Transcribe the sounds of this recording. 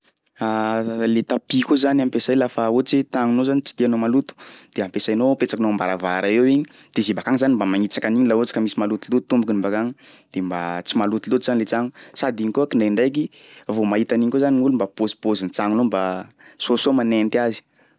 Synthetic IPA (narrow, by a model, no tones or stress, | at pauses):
alet̪apikʲuzanampesajlafaot͡ʃit̪aŋunozanit͡si̥t̪ianomalut̪u̥d̪̥eampesajnopet͡sakinombaɾavaɾaewiɲid̪̥ezibakaŋizanimbamaŋit͡sakaniɲilaot͡si̥kəmisimalut̪ulut̪u̥t̪ːumbukinimbakaŋid̪̥emba̰t͡simalut̪ulut̪uzanilet͡saŋusad̪iŋkuakiɳaɳɖ͡ʐajk̬i | vomaɦit̪aniŋkozaniŋulumbapozi̥pozint͡saŋunomba | sosomanent̪iazi̥